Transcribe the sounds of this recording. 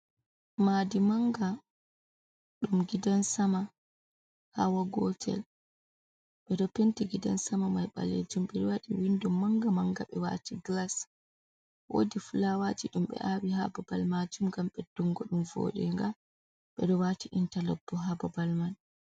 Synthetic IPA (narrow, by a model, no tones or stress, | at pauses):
madimaŋɡa | ɗumɡidansama | ha̰waɡɔtʰɛ̰l | ɓɛɗɔpentiɡida̰nsamamajɓa̰lḛd͡ʒumɓɛɗɔwaɗiwindumːaŋɡamaŋɡa̰ɓɛwa̰tʰiɡlas | wo̰difulawatiɗumɓɛ̰ʔawiɦa̰bɔbalmad͡ʒumɡamɓɛd̥uŋɡɔɗumvo̰ːɗɛ̰ŋɡa | ɓɛɗɔwatiʔintalɔbːɔɦababalman